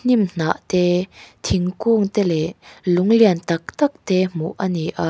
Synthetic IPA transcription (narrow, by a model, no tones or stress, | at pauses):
n̥imn̥aʔt̪ɛt̪ʰiŋkuŋt̪ɛlɛʔluŋliənt̪ɐk̚t̪ɐk̚t̪ɛmṵʔʔaniʔa